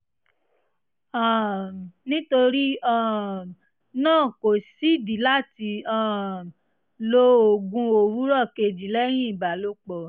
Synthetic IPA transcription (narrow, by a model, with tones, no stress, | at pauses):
a˨nĩ˦to˧ɾi˦ã˦˨ | nãː˦˨ko˨si˦di˨˦la˦˨ti˧ã˦˨ | lo˧o˨ɡũ˧o˧˨ɾu˨˦ɾɔ˦˨ke˧d͡ʒi˨˦lɛ˦ɾ̃ĩ˦i˦˨ba˨lo˦k͡pɔ˨